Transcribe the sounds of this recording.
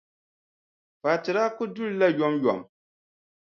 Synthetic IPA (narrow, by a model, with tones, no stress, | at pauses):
paː˨tɨ˨ɾaː˦kʊ˦dʊ˦lla˦jɔ˦mjɔ̰˨m